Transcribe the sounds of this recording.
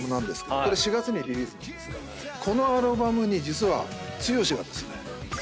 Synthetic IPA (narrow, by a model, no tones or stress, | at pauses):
mo̟nãnd̪esɨ̥kedkoɾe̞ɕiɡat͡sɨɲ̟id̪ʲiβʲiːsɨn | kʰo̞no̞aɾɯ̟bamɯ̟ɲ̟id͡ʑit͡sɨβa̰t͡sɨjo̞ːɕiɡa̰t̪ːḁsɨne